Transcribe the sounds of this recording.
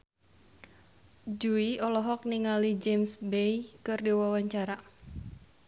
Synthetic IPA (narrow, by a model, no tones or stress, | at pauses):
d͡ʒuiɔlɔɦɔk̚niŋalid͡ʒemsbejkɨrdiwawaɲt͡ʃaɾa